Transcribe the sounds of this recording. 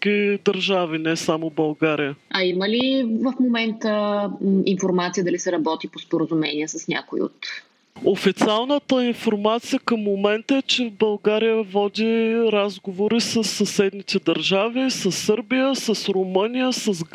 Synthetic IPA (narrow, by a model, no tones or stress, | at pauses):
kid̪əɾʒavinɛsamobɐlˠɡaɾijəɐiməlivəfmomɛnt̪ə | infoɾmat̪sijəd̪ɐlisɛɾɐbɔt̪ipospoɾəzumɛ̰niɛsəsnʲa̰koḭo̰t̪ | ofit̪sialˠnət̪əinfoɾmat̪sijəkəmːomɛnt̪əɛt͡ʃɛbɐlˠɡaɾijəvɔd̪iɾazɡovoɾisəsːɐsɛd̪nit̪ɛd̪əɾʒavisəsːɤɾbijəsəsɾomənijəsəzɡ